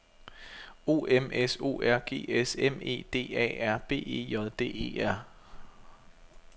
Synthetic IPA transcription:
o̝̰ːemeso̝̰ːæɐ̰ɡ̥e̝̰ːeseme̝̰ːd̥e̝̰ːɛ̰ːæɐ̰b̥e̝̰ːe̝̰ːjɒðˠd̥e̝̰ːe̝̰ːæɐ̰

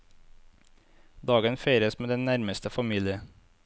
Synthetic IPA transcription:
d̪ɑːɡənfæɪɾəsmeːd̪ɛnnæɾməst̪əfɑmiːlɪə

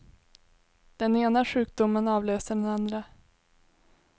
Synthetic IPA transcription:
d̪̥ɛneːnaɧʉ̟ːk̚d̪ʊmːənɑːvløːsəɖɛnand̪ɾa

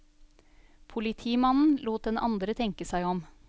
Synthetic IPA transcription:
pʰʊlɪt̪ʰiːmɑnn̩luːt̪̚d̪ɛnɑ̰nd̪ɾət̪ʰɛŋkəsæɪɔm

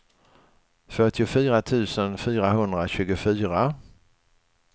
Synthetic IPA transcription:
fœʈːɪʊfyːɾat̪ʰʉ̟ːsənfyːɾaɦɵnd̪ɾaɕʉ̟ːɡʊfyːɾa

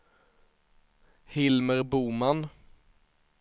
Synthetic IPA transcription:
hɪlməɾbuːman

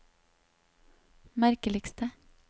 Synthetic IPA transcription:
mæɾkəlɪkst̪ə

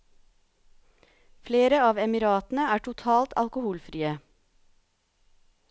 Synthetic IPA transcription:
fleːɾəɑːʋɛmɪɾɑːt̪n̩əæːʈʰʊt̪ʰɑːlt̪ʰɑ̰lkʊhuːlfɾiːə

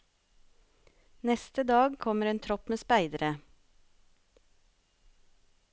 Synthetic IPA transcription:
nɛst̪əd̪ɑːɡkʰɔməɾeːnt̪ʰɾɔpmeːspæɪd̪əɾə

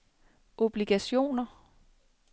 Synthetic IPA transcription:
ʔo̝b̥liɡ̥æɕo̝̰ːnɐ

